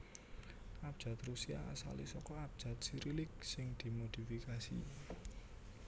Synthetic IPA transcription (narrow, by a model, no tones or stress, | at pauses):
ʔab̥̚ʒ̥a̤t̪rusia̰a̰sa̰lisɔkɔab̚d̥ʒ̥ä̤t̪̚siɾilɪk̚sɪŋd̪̥i̤mod̪̥i̤fikasḭ